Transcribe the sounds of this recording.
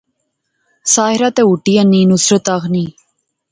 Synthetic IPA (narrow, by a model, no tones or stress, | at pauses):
saːɪɾat̪euʈijənːiːnusɾət̪aɣniː